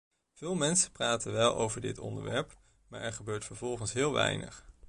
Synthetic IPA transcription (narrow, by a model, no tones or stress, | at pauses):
v̥ɪːlˠmɛnsəpraːtənʋɛlˠo̰wvəɹdɪ̰tɔ̰ndə̰ɹʋɛɹp | maːɹʔɛɹχəbøːɹtfəɹvɔlˠχənsɦɪːlˠʋɛ̰jnə̰χ